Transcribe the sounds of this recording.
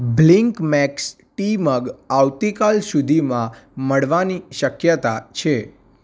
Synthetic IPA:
bliŋkmɛks | ʈiməɡawt̪ikalsud̪ʱimãməɭʋaniʃəkjət̪at͡ʃʰe

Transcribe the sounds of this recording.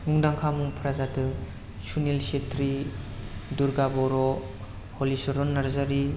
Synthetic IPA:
ŋuŋdaŋkʰamuŋpʰɾazadɯ | sunilsetɾi | duɾɡabɔɾɔ | holisɔɾɔnːaɾzaɾi

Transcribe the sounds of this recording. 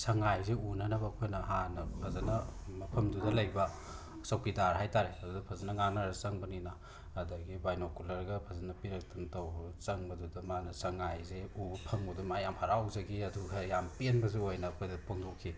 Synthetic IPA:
sɐŋajzeunɐnɐbɐːkʰojnɐɦanɐpʰɐzɐnɐmɐpʰɐmdudɐlɐjbɐ | sɐwkidaɾɦajtaɾeɐdudɐpʰɐzɐnɐŋanaɾɐsɐŋbɐninɐː | dɐɡibajnokulɐɾɡɐpʰɐzɐnɐpiɾɐk̚tʰɐntɐwbɐt͡ʃɐŋbɐdudɐmanɐsɐŋajzeubɐpʰɐŋbɐdumajamhaɾawzɐɡiɐduɡɐjampenbɐzuojnɐːkʰojdɐpʰoŋdokʰi

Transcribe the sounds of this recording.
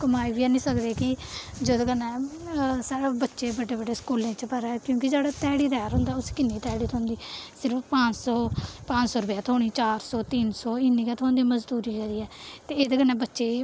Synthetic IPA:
kəmaːiːbiːɛːnĩːsəkd̪eːkɪ | d͡ʒoːd̪ɡənːɛ̃ːsaːɽabətːʃeːbəɖeːbəɖeːskuːlẽːt͡ʃpəɾɛːkjõːkɪd͡ʒaːɽaːt̪ɛːɽiːd̪ɛːɾɦʊ̃ːnd̪aːʊskɪnːiːt̪ɛːɽiːt̪ʰõːnd̪iːsɪɾəppãːt͡ʃsɔːpãːt͡ʃsɔːɾʊpjaːt̪ʰoːɽ̃iːt͡ʃaːɾsɔːt̪iːnsɔːɪnːiːkɛːt̪ʰõːd̪iːməzd̪uːɾiːkɛːɾiːɛːt̪eːeːd̪eɡənːɛːbətːʃeː

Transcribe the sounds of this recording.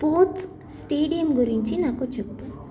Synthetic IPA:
poːt̪s | sʈeːɖijɐmɡuɾiɲt͡ʃinaːkut͡ʃepːu

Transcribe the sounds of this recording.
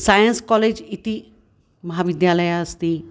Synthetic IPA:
sajənskɔled͡ʑit̪i | məɦaʋid̪jaləjaəst̪iː

